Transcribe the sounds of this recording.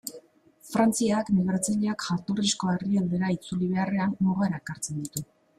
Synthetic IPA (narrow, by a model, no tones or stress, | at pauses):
fɾant͡siakneɣɾat͡seʎeakʝat̪orisko̞e̞riald̪e̞ɾait͡suliβ̞e̞are̞anːuɣaɾaekaɾt͡se̞nd̪it̪u